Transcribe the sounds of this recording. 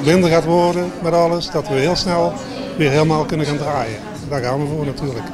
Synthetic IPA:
mɪndərɣaːtʋɔrdəmɛtɑlˠəsdɑtʋəɦɪːlˠsnɛlˠ | ʋɪːrɦɪləmaːlˠkɵnənɣaːndraːjə | ɛndaːɣaːnʋəvoːɹnatʰyːɹlək

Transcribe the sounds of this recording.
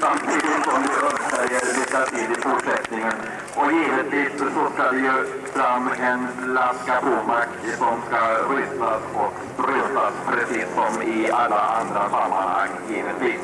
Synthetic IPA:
samt̪ʰiːd̪ɪt̪sɔmd̪ɵɵsɛjəɾliːk̪at̪ʰiːd̪ɪfʊʈʂɛt̪nɪŋən | ɔjeːvət̪ʰlɪssɔskad̪ɛjɵ | fɾamːɛnlaskapʰuːmak | sɔmskaɾʏt̪ːasɔk | ɾɛt̪ːaspʰɾɛsiːsːɔmɪalːaʔand̪ɾasamːa̰nha̰ŋːjeːvət̪viːs

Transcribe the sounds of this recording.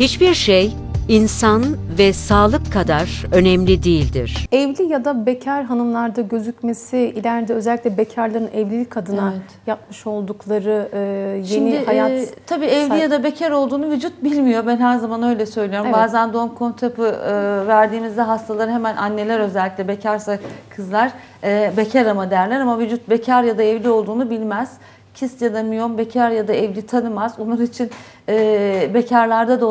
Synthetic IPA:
hit͡ʃbiɾʃej | insanvɛsaːlˠɯkʰːad̪aɾø̞nɛmlʲid̪ijilʲd̪ḭɾ̥ɛvlʲijad̪abecʰæɾɦanɯmlˠaɾd̪aɟø̞zycme̞siilʲæɾd̪ɛø̞zɛlʲːic̪ʲlʲɛbecʰaɾlˠaɾɯnɛvlʲilʲicʰad̪ɯnajap̚mɯʃo̞lˠd̪uklˠaɾɯjenihajat̪t̪ʰabiːɛvlijad̪abecʰæɾo̞lˠd̪uːnuvyd͡ʒut̪̚bilʲmijo̞bænhæɾzamanø̞jlʲɛsø̞jlʲijo̞ɾumbaːzænd̪onkʰont̪ʰepɯɯvæɾd̪iːmizd̪ɛɦast̪ʰalˠaɾɯɦe̞mænʔanːe̞lʲæɾø̞zɛlʲːicʲlʲɛbe̞cʰæɾsakʰɯzlˠaɾ̥ | ɛbe̞cʰaɾamad̪ejæɾlʲæɾamavyd͡ʒut̪̚be̞cʰaɾjad̪aɛvlʲio̞lˠd̪uːnubilʲmɛz̥ | cʰist̪jad̪amijo̞mbe̞cʰæɾjad̪aɛvlʲit̪ʰanɯmazonlˠaɾit͡ʃʰinː | be̞cʰaɾlˠaɾd̪ad̪o

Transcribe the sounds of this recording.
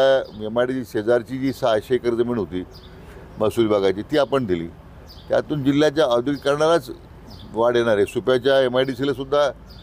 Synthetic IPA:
aemaɖid͡ʑised͡zaɾt͡ɕiːd͡ʑiːsəɦaɕejkəɾd͡z̪emeɽ̃ɦot̪iː | məsuːlbaɡat͡ɕiːt̪iːapəɳd̪ʱilḭː | t̪ja̰t̪uːnd͡ʑil̤ːjat͡ɕjaəd̪ʱjukkəɾɳaɾat͡s | ʋaɽ̤jeɽ̃aɾesupjat͡ɕjaemaɖisiləsud̪ʱːa

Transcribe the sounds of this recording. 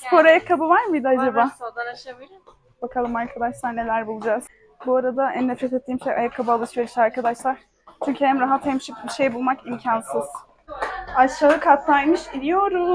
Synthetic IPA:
spʰo̞ɾajakʰːabɯvaɾmɯjd̪ɯad͡ʒabaː | bakʰalˠɯmaɾkʰad̪aʃlˠaɾne̞lʲæɾbulˠud͡ʒaz̥ | buaɾad̪aænːɛfɾet̪et̪ʰːiːmʃejʔa̰jakʰːabɯaːlˠɯʃveɾiʃaɾkʰad̪aʃlˠaɾ̥ | t͡ʃʰyɲʲcʰyhæmɾaɦat̪hɛmʃip̚biʃe̞jbulˠmakimcʰansɯz̥ | at͡ʃlˠaːɦɯkʰat̪najmɯʃinʲijo̞ɾu

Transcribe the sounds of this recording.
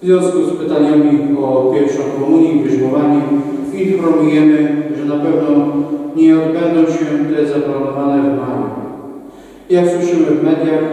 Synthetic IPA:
vzʲjɔ̃w̃skuspɘt̪aɲamʲiɔpʲjɛɾfʂɔ̃w̃ɾumuɲjivɘʐmɔvaɲɛ | ipɾɔmujɛmɘʐɛnapɛvnɔ̃ɲɛbɛnd̪ɔ̃w̃ɕɛt̪ɛzaplanɔvanɛvmaɾṵ | jakswɘʂɘmɘvmɛd̪ʲjax

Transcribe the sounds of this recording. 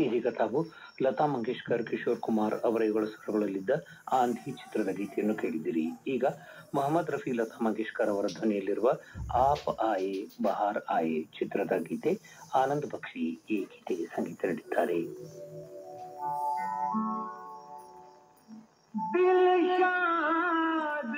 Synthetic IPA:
iɦiːɡɐt̪ʰaːʋu | lɐt̪aːmɐŋɡeːʂkaɾkiʂoːɾkumaːɾɐʋɐɾɐjɐɡɐɭɐsɐɾɐɡɐɭɐlːid̪ːɐ | aːnd̪ʱit͡ʃi̥t̪ɾɐd̪ɐɡiːt̪ɛjɐnːukeːɭid̪iːɾiːɡɐ | mɐɦɐmːɐd̪ɾɐpʰilɐt̪aːmɐŋɡeːʂkaɾɐʋɐɾɐd̪ʱɐnɛjɐlːiɾuʋɐaːpaːjebɐɦaːɾaːjet͡ʃit̪ɾɐd̪ɐɡiːt̪e | aːnɐnd̪ɐbɐkʂieːki̥ːt̪eɡesɐŋɡiːt̪ʰɐniɽid̪ːaːɾe

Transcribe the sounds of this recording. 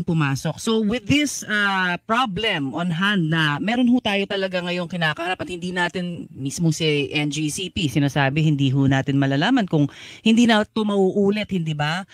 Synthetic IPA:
ŋpʊmaːso̞k̚sowɪðɪsapɹablɛmʔonɦand̪̚nɐmɛːɾonhut̪aːjo̞t̪ɐlɐɡaŋɐjo̞ŋkɪnaːkɐhɐɾapɐt̪hɪnd̪iːnaːt̪ɪnmismosiʔɛnd͡ʒisipisɪnaːsaːbɛhɪnd̪iːɦʊnaːt̪ɪnmɐlaːlaːmɐnkʊŋhɪnd̪iːnɐt̪omɐʔuːʔuːlɛt̪̚hɪnd̪ibɐ

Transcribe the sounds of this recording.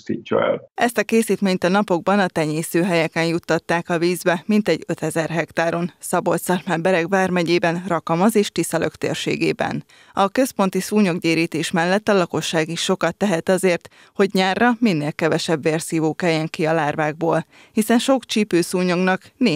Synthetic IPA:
sit͡ʃːɒ̰ɛ̰lɛst̪ɒkeːsiːt̪meːɲt̪ɒnɒpo̞ɡ̚bɒnɒt̪ɛɲeːsøːɦɛjɛkɛnjut̪ːɒt̪ːaːkɒviːzbɛmint̪ɛɟːø̞t̪ɛzɛrɦɛkt̪aːɾo̞nsɒbo̞t̪sɒrmɛmbɛɾɛkbaːrmɛɟeːbɛnrɒkɒmɒzeːʃt̪isɒløkt̪ḛːrʃḛːɡḛːbɛ̰n | ɒkø̞spon̪t̪isuːɲo̞ɡɟeːɾiːt̪eːʃmɛlːɛt̪ːɒlɒko̞ʃːaːɡiʃʃːo̞kɒt̪ːɛɦɛt̪ɒzeːrt̪ | ho̞ɟɲaːrːɒminːeːlkɛvɛʃɛbveːrsiːvoːkɛjɛŋkiɒlaːrvaːɡ̚boːl | hisɛnʃo̞kt͡ʃipøːsuːɲoɡnɒkneː

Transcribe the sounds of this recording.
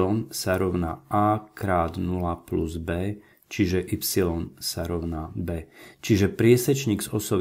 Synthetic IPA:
ɔnsaɾɔʊna̰aːkɾaːd̪nulapluzbɛː | t͡ʃiʒɛʔipsilɔnsaɾɔʊnabɛːt͡ʃiʒɛpɾɪɛsɛt͡ʃɲiːɡzɔsɔʋ

